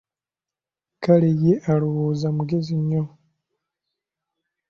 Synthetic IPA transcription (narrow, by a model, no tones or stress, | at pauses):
kalijeʔaɾuβuzamuɡeziɲːo